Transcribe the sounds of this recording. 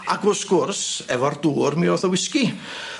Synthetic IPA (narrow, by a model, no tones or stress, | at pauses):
aɡʊsɡ̥ʊrsɛvɔrd̥uːrmiɔθɔwɪski